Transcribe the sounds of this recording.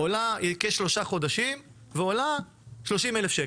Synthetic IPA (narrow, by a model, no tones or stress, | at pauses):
olajekeʃlo̞ʃaχo̞d̪aʃim | veola | ʃlo̞ʃimelefʃe